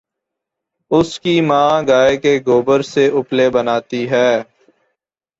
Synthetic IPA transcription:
ʊskimãːɡaːekeɡoːbəɾseʊplebənaːt̪iɦɛː

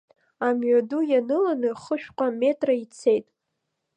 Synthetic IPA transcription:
amɥadujanɨlanɨχəʃᶣqʷʼame̞tʼrait͡sʰe̞jtʼ

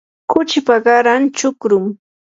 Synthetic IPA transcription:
kʊt͡ʃɪpaɢɑɾant͡ʃʊkɾʊm

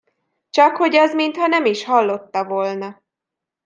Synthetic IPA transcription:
t͡ʃɒkho̞ɟɒzmint̪hɒnɛmiʃhɒlːo̞t̪ːɒvoːlnɒ

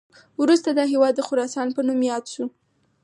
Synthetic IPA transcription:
wɾust̪ad̪ɑɦewɑd̪ːəxʊɾɑsɑnpənumjɑd̪ʃu

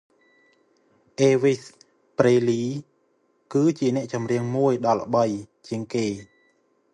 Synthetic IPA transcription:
ʔeːʋis | preːliː | kɨːt͡ɕiənɛ̆əʔt͡ɕɑmriəŋmuəjɗɑlːə̰̆ɓəjt͡ɕiəŋkeː

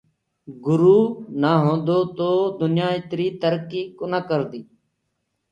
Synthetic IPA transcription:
ɡʊɾuːnaːɦõːnd̪oːt̪oːd̪ʊnjaːɪt̪ɾiːt̪əɾkiːkʊnaːkəɾd̪iː

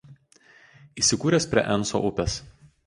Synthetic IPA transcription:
iːsʲɪkuːɾʲɛspʲɾʲiɛ̰ʔɛnso̰ʔʊpʲɛs

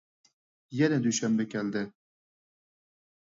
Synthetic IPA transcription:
jɛnɛd̪yʃɛmbɛkʲʰɛld̪ɛ

